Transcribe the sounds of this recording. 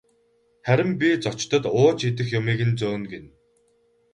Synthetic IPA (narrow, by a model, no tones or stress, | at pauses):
χæɾʲɪ̆mpʲit͡sɔt͡ɕt̪ə̆t̪ʊːt͡ɕit̪̬ɘ̆xjʊmiːɣɘ̆nt͡soːnɡen